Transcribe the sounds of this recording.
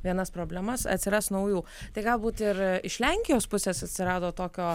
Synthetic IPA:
ʋʲiɛnɐspɾoːbʲlʲɛmɐsɐ̰t̪ʲsʲɪɾɑsnɐʊjuː | t̪ɐɪɡɐlˠbuːt̪ɪɾɪʃlʲɛŋʲkʲɪjoːspʊsʲeːsɐt̪ʲsʲɪɾɑːd̪oːt̪oːkʲoː

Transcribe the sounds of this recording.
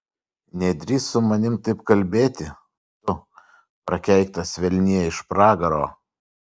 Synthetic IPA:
nʲɛd̪ʲɾʲiːsʊmɐnʲɪmt̪ɐɪpkɐlʲbʲeːt̪ʲɪ | t̪ʊ | pɾɐkʲɛɪk̚t̪ɐsʲʋʲɛlʲnʲiɛɪʃpɾɑːɡɐɾo̰ː

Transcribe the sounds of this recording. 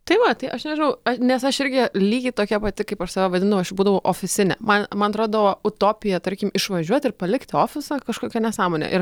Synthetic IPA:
t̪ɐɪʋɐt̪ɐɪʔɐʃnʲɛʒʲɪnɐʊɐnʲɛsɐʃɪɾʲɡʲɪlʲiːɡʲɪt̪oːkʲɛpɐt̪ʲɪkɐɪpɐʃsɐʋɛʋɐd̪ʲɪnd̪ɐʋɐʊɐʃbuːd̪ɐʋɐʔoːfʲɪsʲɪnʲɛ̰mɐnmɐnɐt̪ɾoːd̪ɐʋoːʊt̪oːpʲɪjɛt̪ɐɾʲkʲɪmɪʃʋɐʒʲuɔt̪ʲɪɾpɐlʲɪkt̪ʲoːfʲɪsɑkɐʃkoːkʲɛnʲɛsɑːmoːnʲɛ̰ʔɪr

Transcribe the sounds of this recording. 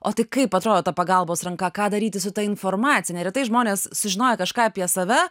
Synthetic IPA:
oːt̪ɐɪkɐɪpɐt̪ɾoːd̪oːt̪ɐpɐɡɐlˠboːsɾɐŋkɐkɑːd̪ɐɾʲiːt̪ʲɪsʊt̪ɐɪnfoːrmɑːt͡s̪sʲɪnʲɛɾʲɛt̪ɐɪʒmoːnʲeːssʊʒʲɪnoːjɛkɐʃkɑːɐpʲiɛsɐʋʲɛ

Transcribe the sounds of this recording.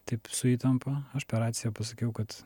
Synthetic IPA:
t̪ɐɪpsʊiːt̪ɐmpɐɐʃpʲɛɾɑːt̪sʲɪjɛpɐsɐkʲɛʊkɐt̪

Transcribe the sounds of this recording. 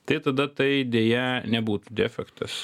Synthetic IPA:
t̪ɐɪt̪ɐd̪ɐt̪ɐɪd̪ʲeːjɛnʲɛbuːt̪ud̪ʲɛːfʲɛkt̪ɐs

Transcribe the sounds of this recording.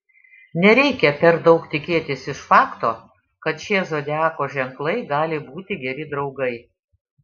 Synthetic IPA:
nʲɛɾʲɛɪkʲɛpʲɛɾd̪ɐʊkt̪ʲɪkʲeːt̪ʲɪsɪʃfɑːkt̪oː | kɐt̪ʃʲiɛzoːd̪ʲæːkoːʒʲɛŋklˠɐɪɡɑːlʲɪbuːt̪ʲɪɡʲɛɾʲɪd̪ɾɒʊɡɐɪ

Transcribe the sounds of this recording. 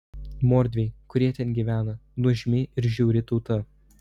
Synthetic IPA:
moːɾʲd̪ʲʋʲeɪkʊɾʲiɛt̪ʲɛnɡʲiʋʲæːnɐnʊʒʲmʲɪʔɪɾʒʲuːɾʲɪt̪ɔʊt̪ɐ

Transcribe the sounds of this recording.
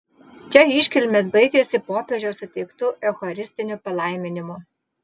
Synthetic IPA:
t͡ʃʲɛɪʃʲkʲɛlʲmʲeːs̬bɐɪɡʲɛsʲɪpoːpʲɛʒʲoːsʊt̪ʲɛɪkt̪uʔɛxɔɾʲɪsʲt̪ʲɪnʲʊpɐlˠɐˑɪmʲɪnʲɪmʊ

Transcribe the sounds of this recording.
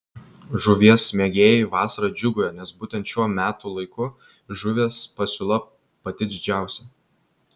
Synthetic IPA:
ʒʊʋʲiɛsmʲeɛɡʲeːjɪʋɑːsɐɾɐd͡ʒʲʊɡʊjoːnʲɛsbuːt̪ʲɛ̃nt̪ʃʲuɔmʲæːt̪ulˠɐɪkʊ | ʒʊʋʲeːspɐsʲʊlˠɐ | pɐt̪ʲɪd̪ʲɪd͡ʒʲæˑʊsʲɛ

